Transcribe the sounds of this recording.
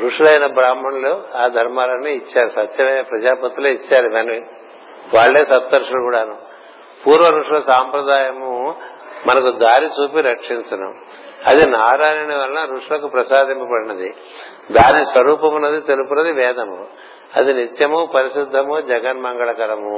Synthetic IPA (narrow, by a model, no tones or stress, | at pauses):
ɾuʂulɐjnɐbɾaːmɐnloːaːd̪ʱɐɾmaːlɐnːiːit͡ʃːaːɾusɐt̪jɐmɐjnɐpɾɐd͡ʒaːpɐt̪ːuloːit͡ʃːaːɾubɐni | ʋaːɭːeːsɐt̪ʋɐɾʂɐlukuːɽaːnu | puːɾʋɐɾuʂɐlɐsaːmpɾɐd̪aːjɐmu | mɐnɐkud̪aːɾit͡ʃuːpiɾɐkʂint͡ʃɐnṵ | ɐd̪inaːɾaːjɐniʋɐlɐnɐɾuʂɐlɐkupɾɐsaːd̪impɐpɐɽɐnɐd̪i | d̪aːnisʋɐɾuːpɐmunːɐd̪it̪elupunɐd̪iʋɛːd̪ʱɐmu | ɐ̰d̪init̪jɐmupɐɾiʃid̪ʱːɐmud͡ʒɐɡɐnmɐŋɡɐɭɐkɐɾɐmu